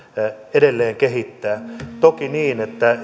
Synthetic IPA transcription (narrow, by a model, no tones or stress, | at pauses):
edelːeːŋkeɦit̪ːæːt̪okiniːnet̪ːæ